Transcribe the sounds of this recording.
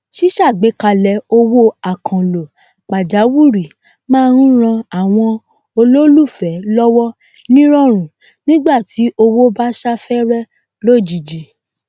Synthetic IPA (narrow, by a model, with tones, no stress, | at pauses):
ʃi˦ʃa˦˨ɡ͡be˨˦ka˧lɛ˧o˧wo˦a˨kʰã˨lo˨ | k͡pa˨d͡ʒa˨˦wu˦˨ɾi˨ | mãː˦˧ɾ̃ũ˦ɾ̃ã˧a˦˨w̃ɔ̃˧ | o˧lo˦lu˦˨fɛ˨˦lɔ˦wɔ˦ | nĩ˦ɾ̃ɔ˦˨ɾ̃ũ˨ | nĩ˦ɡ͡ba˦˨ti˨˦ʔo˧wo˦ba˦ʃa˦fɛ˦ɾɛ˦ | lo˦˨d͡ʒi˨d͡ʒi˨˦